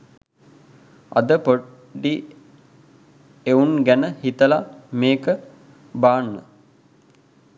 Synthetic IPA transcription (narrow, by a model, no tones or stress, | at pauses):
ɐ̰d̪əpo | ɖi | eunɡænəhit̪əlameːkə | baːnːə̰